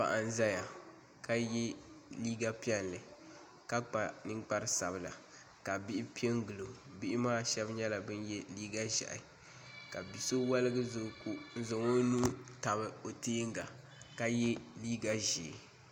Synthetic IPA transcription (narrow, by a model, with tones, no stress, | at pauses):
pa̰˨ʔa˨n̩˦za˦ja˨ | ka˦jɛ˦liː˦ɡa˦pi˦ɛ˦nlɨ˨ | ka˦k͡pa˨nɨ˦ŋk͡pa˦ɾɨ˦sa˨bɨ˨la̰˨ | ka˨bɪ˦ʔɪ˦pi˦e˦ŋɡɨ˨lo˨bi˦ʔɪ˦maː˦ʃɛ˦bɲɛ˦la˨bɨ˦njɛ˦liː˦ɡa˦ʒa̰˨ʔɪ̰˨ | ka˨bi˨so˦wa˦lɨ˦ɡɨ˦zʊ˨ku˦n̩˦zʊ˨ŋo˦nu˦ta˨bɨ˨o˨teː˦ŋ˦ɡa˨ | ka˦jɛ˦liː˦ɡa˦ʒeː˨